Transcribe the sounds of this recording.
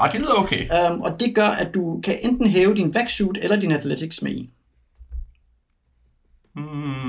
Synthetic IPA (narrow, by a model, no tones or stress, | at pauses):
d̥eliðˠɐoʊkʰemɒ̽d̥e̝ɡ̥ɶɐʔædd̥ukʰæʔend̥n̩ɦɛːʊəd̥inʋæɡ̥suːd̥elɐd̥inæθlet͡sʰiɡ̥smæ̰ḭ